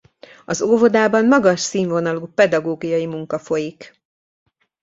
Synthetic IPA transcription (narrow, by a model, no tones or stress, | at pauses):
ɒzovod̪aːbɒnmɒɡɒʃsiːɱvo̞nɒluːpɛd̪ɒɡoːɡijɒjimuŋkɒfo̞jik